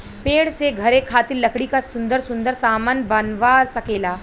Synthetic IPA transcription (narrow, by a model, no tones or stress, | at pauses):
peːɽseɡʱəɾekʰat̪iːllːəkɽikasund̪əɾsund̪əɾsamanbanʋaɾt͡səkeːlaː